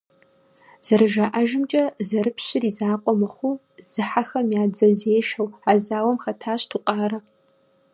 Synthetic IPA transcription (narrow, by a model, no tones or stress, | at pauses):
z̥ɐɾɨʒaʔaʒɪmt͡ʃʼɐzɐɾɨpʰɕɪrizaːqʷʼɔmɨχʷu | z̥ɨħaxɐmjaːd͡zɐzeːʃɐwaːzaːwɐmxɐtʰaːɕtʰuqʼɑːɾɐ